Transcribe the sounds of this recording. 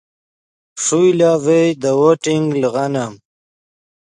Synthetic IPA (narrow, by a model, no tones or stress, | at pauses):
ʂujlavejd̪əwoʈiŋɡlɣanam